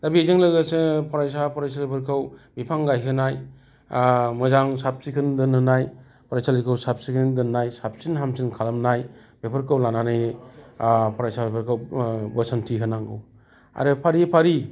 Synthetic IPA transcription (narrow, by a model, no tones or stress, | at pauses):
dabizeŋlɯɡasɯpʰaɾajsapɔɾajs̬alɯpʰɯɾkʰɯwbipʰaŋɡajɦɯnaj | mɯzaŋsap̚sikʰɯndɯnɯnaj | pɾajsalɯkʰɯwsap̚sikʰɯndɯnːajsap̚sinɦamsinkʰalamnaj | bepʰɯɾkʰawlananajni | pʰɔɾajsabepʰəɾkʰɯwbəsantʰiɦɯnaŋɡɯw | a̰ɾɯpʰaɾipʰaɾi